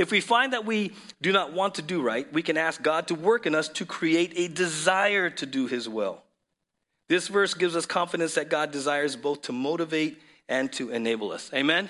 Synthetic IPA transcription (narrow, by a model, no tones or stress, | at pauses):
ɨfwifãɪ̃nðɨt̚wi | dɨnət̚wɑ̃ntʰɨdɨɹaɪt̚wikɨ̃næsk̚ɡ̥ɑd̚tʰəwɜ˞kɨ̃nʌstʰɨkʰɹ̥ieɪɾɨdɨzaɪə˞ɾʰɨdɨɪzwɪ̰lˠ | ðɪsvɜ˞sɡ̥ɪvzʌskʰɑ̃ɱfɨɾɨ̃nsðɨt̚ɡ̥ɑdɨzaɪə˞zboʊθtʰəmoʊɾɨveɪɾ | ʔɨ̃ntʰɨɨneɪbl̩ˠʌ̰seɪmɛ̃n